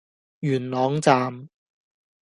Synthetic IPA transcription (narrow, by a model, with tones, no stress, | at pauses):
jyː˨˩nlɔː˨˥ŋt͡saː˨˧m